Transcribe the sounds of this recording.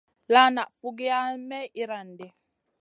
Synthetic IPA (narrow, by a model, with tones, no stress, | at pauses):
la˦na˨ʔpu˦ɡi˦a˦mɛ˦i˦ɾa˨n˨dɛ˨